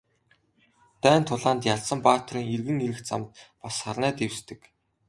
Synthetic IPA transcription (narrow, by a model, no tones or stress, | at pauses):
t̪æːnt̪ʰːʊɮaːnt̪jaɮsə̆mpaːt̪riːŋerɣɘ̆niɾɘ̆xt͡sa̰mt̪̚pasχarnæːt̪ewst̪ɘ̆k